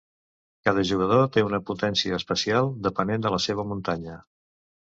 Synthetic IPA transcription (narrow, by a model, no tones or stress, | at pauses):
kað̞əʒuɣəð̞ot̪eunəput̪ɛnsiəːspəsialˠd̪əpənend̪ələseβ̞əmunt̪aɲə